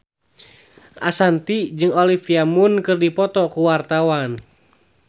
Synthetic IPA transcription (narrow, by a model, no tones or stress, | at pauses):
ʔasant̪id͡ʒɨŋɔlifiamunkɨrdipɔt̪ɔkuwart̪awan